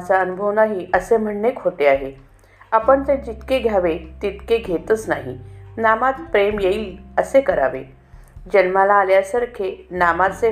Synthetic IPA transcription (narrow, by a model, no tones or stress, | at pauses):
t͡saənubʱəʋnaɦiəsem̤əɳnekhot̪eaɦe | apəɳt̪ẽd͡ʑit̪keɡʱjaʋet̪it̪keɡʱet̪ət͡snaɦḭnamat̪pɾemjeiːəsekəɾa̰ʋḛ | d͡ʑənmalaːljasəɾkʰenamat͡se